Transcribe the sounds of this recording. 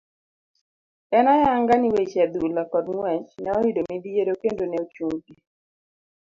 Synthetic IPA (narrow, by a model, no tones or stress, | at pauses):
ɛnajaŋɡaniwet͡ʃɛd̪ulakɔdŋwɛt͡ʃnɛɔidomid̪ijeɾokendonɛot͡ʃuŋɡi